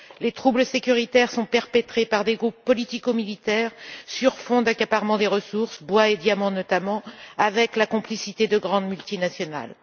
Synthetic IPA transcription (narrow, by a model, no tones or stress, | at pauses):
let̪χubləsekʲyʁit̪ɛʁsɔ̃pɛʁpet̪χepaʁd̪eɡʁupːɔlit̪ikomilit̪ɛːʁsyʁfɔ̃d̪akapaʁmɑ̃d̪eʁəsuʁsbwaed̪jamɑ̃nɔt̪amɑ̃avɛklakɔ̃plisit̪ed̪əɡʁɑ̃d̪mylt̪inasjɔna̰l